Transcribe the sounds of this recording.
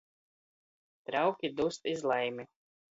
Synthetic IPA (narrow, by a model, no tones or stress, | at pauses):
t̪ɾawkʲid̪ust̪izlˠɛjmʲi